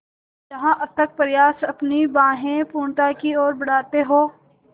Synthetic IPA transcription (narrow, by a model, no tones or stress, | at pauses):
d͡ʒɐɦãʔɐb̚t̪ɐk̚pɐɾɪjaːsɐpnibãːɦẽpũːɳt̪akiɔːɾbɐɽ̤aːt̪eɦoː